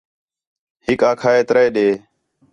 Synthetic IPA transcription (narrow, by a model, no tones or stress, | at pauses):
hɪkaːkʰaːeːt̪ɾəeːɗeː